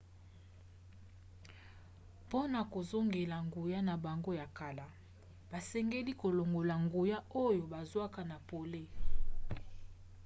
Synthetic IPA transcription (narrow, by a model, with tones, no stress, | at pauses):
po˦na˨ko˨zo˦ŋɡe˨la˨ŋɡu˨ja˦na˨ba˨ŋɡo˦ja˨ka˨la˨ | ba˨sɛ˦ŋɡe˦li˦ko˨lo˨ŋɡo˨la˨ŋɡu˨ja˦o˦jo˨ba˨zwa˦ka˨na˨po˨le˦